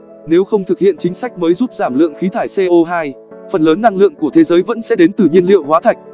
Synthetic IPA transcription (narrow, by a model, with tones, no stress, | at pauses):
ne˨˦wxə˧wŋ͡mt̪ʰɨ˨˩k̚hḭ˧˨ənt͡ɕï˨˦ŋ̟sa˦˥jk̟̚məː˨˦jzuː˦˥p̚zaː˧˩mlɨ̰˧˨əŋxi˨˦t̪ʰaː˧˩jse˧ʔo˧ɦaː˧j | fə˨˩nləː˨˦nːa˧ŋlɨ̰˧˨əŋku˧˩ət̪ʰe˨˦zəː˨˦jvə̰˧˥nsɛ̰˧˥ɗe˨˦nt̪ɨ˨˩ɲi˧ənlḭ˧˨ə˨whwaː˨˦t̪ʰa˨˩jk̚